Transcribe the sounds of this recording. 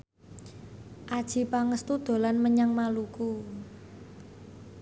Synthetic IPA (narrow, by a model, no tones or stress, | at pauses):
ʔad̥ʒ̥i̤paŋəst̪ud̪̥o̤lanməɲaŋmaluku